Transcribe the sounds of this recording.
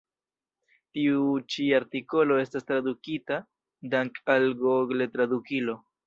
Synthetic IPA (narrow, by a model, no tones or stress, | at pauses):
tiut͡ʃiaɾtiko̞lo̞e̞stastɾadukita | daŋkalɡoɡle̞tɾadukilo̞